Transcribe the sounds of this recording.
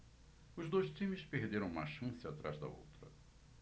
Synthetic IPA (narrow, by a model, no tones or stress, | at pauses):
ʊzd̪ojʃt͡ʃĩmɪspeɾd̪eɾɐ̃w̃ũma̰ʃɐ̃sɪat̪ɾa̰zd̪ɐ̰o̰wt̪ɾɐ̰